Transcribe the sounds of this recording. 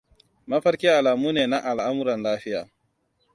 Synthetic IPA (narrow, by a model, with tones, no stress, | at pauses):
mɐ˦ɸɐ˦ɾkʲe˦a˨laː˨muː˦neː˨na˦ʔa˨lʔa˦mʊ˦ɾɐ˨nlaː˦ɸɪ˦ja̰ː˨